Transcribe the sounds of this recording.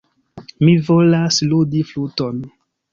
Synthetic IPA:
mivolasludifluton

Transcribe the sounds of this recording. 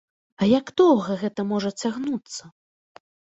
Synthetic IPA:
ɐjaɡd̪ɔwɣɐɣɛt̪ɐmɔʐɐt͡sʲaɣnut̪sːɐ

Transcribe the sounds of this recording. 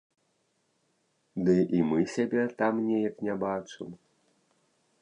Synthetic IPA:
d̪ɨʔimɨsʲabʲɛt̪amnʲejɐknʲabat͡ʂɨm

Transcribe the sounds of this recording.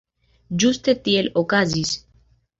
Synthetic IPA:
d͡ʒust̪et̪ielokazis

